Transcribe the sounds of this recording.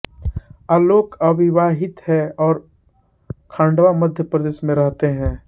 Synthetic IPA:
aːloːkɐʋɪʋaːɦɪt̪hɛɔːɾ | kʰãːɳɖʋamɐd̪ʱjəpɾəd̪eːʃmẽɾɐɦt̪eɦɛ̃ː

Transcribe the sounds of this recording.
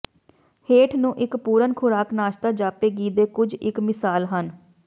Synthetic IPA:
heːʈʰnũːʔɪkpuːɾənkʰʊɾaːknaːʃt̪aːd͡ʒaːpeːɡiːd̪eːkʊd͡ʒɪkmɪsaːlɦən

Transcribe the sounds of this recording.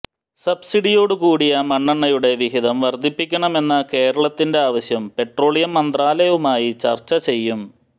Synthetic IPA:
sɐbsiɽijo̞ːɽukuːɽijɐmɐɳːɐɳːɐjuɽe̞ʋiɦiðɐmʋɐrd̪ʱːipːikʲːɐɳɐme̞nːɐke̞ːɾɐɭɐt̪ːinde̞aːʋɐɕjɐmpe̞ʈro̞ːɭijɐmːɐnd̪raːlɐjɐʋumaːjit͡ɕɐ̰rt͡ɕːɐt͡ɕe̞jːum

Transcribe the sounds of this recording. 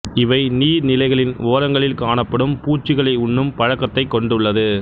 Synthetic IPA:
ɪʋɐɪniːɾnɪlɐɪɣɐɭɪnoːɾɐŋɡɐɭɪlkaːnɐpːɐɽɯmpuːt͡ʃːɪɣɐɭɐɪʊɳːɯmpɐɻɐkːɐt̪ːɐɪkːɔɳɖɯɭːɐðɯ

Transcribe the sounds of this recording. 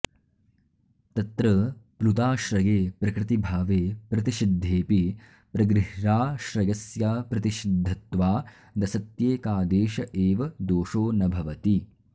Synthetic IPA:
t̪ɐt̪ɾɐpɾut̪aːʃɾɐjeːpɾɐkɾɪt̪ibʱaːʋeːpɾɐt̪iʃid̪ʱːeːpi | pɾɐɡɾɪɦɾaːʃɾɐjɐsjaːpɾɐt̪iʃid̪ʱːɐt̪ʋaː | d̪ɐsɐt̪jeːkaːd̪eːʃɐʔeːʋɐd̪oːʂoːnɐbʱɐʋɐt̪i

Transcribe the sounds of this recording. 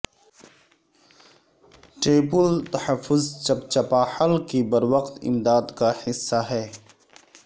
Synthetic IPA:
ʈeːpʊlt̪ɐhəfːʊzt͡ʃɐbt͡ʃɐpaːħəlkibɐɾwɐqt̪ɪ̰md̪aːd̪kahɪsːaɦɛː

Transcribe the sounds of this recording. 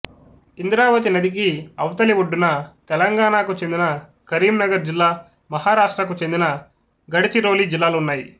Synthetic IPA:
ind̪ɾaːʋɐt̪̬inɐd̪ik̬iɐwɐt̪ɐliʋuɖːunɐt̪ɛlɐŋɡaːɳaːkut͡ʃe̞nd̪inɐ | kɐɾiːmnɐɡɐɾd͡ʒilːaː | mɐɦaːɾaːʂʈɾɐk̬ut͡ʃe̞nd̪inɐ | ɡɐɽit͡ʃiɾo̞ːliːd͡ʒilːaːluunːaːji

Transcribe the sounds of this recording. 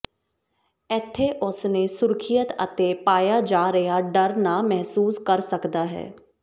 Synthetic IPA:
ɛt̪ʰːeʔʊsnesʊɾkʰɪjət̪ə̰t̪epaːjad͡ʒaːɾɐjaɖəɾnamɛɦsuːskəɾsəkd̪aːɦɛ̰ː

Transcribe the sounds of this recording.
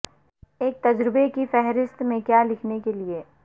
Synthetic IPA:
eːk̚t̪ɐd͡ʒɾɪbekifɛɦɾɪst̪mẽkjalɪkʰnekelieː

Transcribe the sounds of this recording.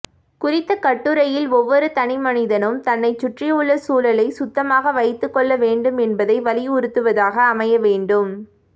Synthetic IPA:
kʊrɪt̪ːɐkɐʈːɯɾɐjɪlɔʋːɔɾɯt̪ɐnɪmɐnɪðɐnɯmt̪ɐnːɐɪt͡ʃːʊʈrɪʊɭːɐsuːlɐlɐɪsʊt̪ːɐmaːɣɐʋɐɪt̪ːɯkːɔɭːɐʋeːɳɖɯmɛnbɐðɐɪʋɐlɪʊɾɯt̪ːɯʋɐðaːɣɐːmɐjɐʋeːɳɖɯm

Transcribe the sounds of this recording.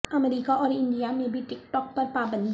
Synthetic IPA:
ɐmɾiːkaʔɔːɾɪ̃ɳɖijamẽbʱiʈɪkʈɔːk̚pɐɾpaːbə̃nd̪

